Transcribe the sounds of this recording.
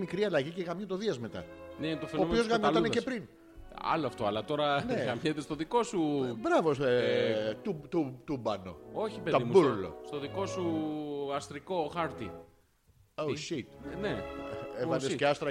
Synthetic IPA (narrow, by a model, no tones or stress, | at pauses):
mikɾiɐlɐʝiceɣɐmɲot̪oðiɐzmet̪ɐ̰net̪ofeompiozɣɐmot̪ɐnecepɾin | ɐ̰loɐft̪oɐlɐt̪o̞ɾɐneɣɐmjet̪est̪oðiko̞subɾɐvo | t̪ut̪ut̪ubɐno̞̰oçipet̪oðimuuɾlo̰st̪oðiko̞suɐst̪ɾiko̞xɐɾt̪i | owʃit̪neeɐeseɐst̪ɾɐ